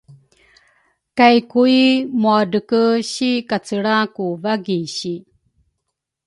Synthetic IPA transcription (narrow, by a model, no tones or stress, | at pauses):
kajkuimuadəkəɕikat͡səɭakuvaɡiɕi